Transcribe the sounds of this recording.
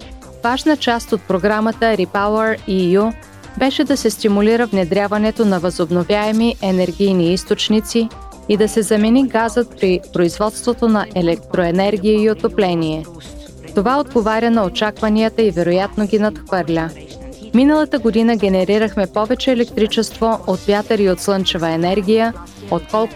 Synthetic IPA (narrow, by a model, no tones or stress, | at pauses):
v̥aʒnət͡ʃast̪ot̪̚pɾoɡɾamət̪əɾipaʊəɾiju | bɛʃɛd̪ɐsɛst̪imuliɾəvnɛd̪ɾʲjavɐnɛt̪onɐvɐzobnovʲjaɛmiʔɛnɛɾɡʲijniist̪ot͡ʃnit̪siː | d̪ɐsɛzɐmɛniɡazət̪̚pɾipɾoizvɔt̪st̪vot̪onɐʔɛlɛk̚t̪ɾoɛnɛɾɡʲiiiot̪oplɛniɛ | t̪ovaod̪ɡovaɾʲənɐot͡ʃakvɐniət̪əivɛɾojat̪noɡʲinɐt̪xvɤɾlʲə | minəlˠət̪əɡod̪inəɡʲɛnɛɾiɾəxmɛpɔvɛt͡ʃɛːlɛkt̪ɾit͡ʃɛst̪voʔot̪vʲjat̪əɾiot̪slˠɤnt͡ʃɛvəɛnɛɾɡʲijə | ot̪kɔlˠ